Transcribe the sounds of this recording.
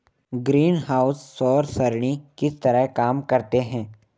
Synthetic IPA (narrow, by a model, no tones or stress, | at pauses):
ɡɾiːnɦaːʊsːɔːɾsɐɾɳ̃ikɪst̪əɾəɦkaːmkɐɾt̪eɦɛ̃ː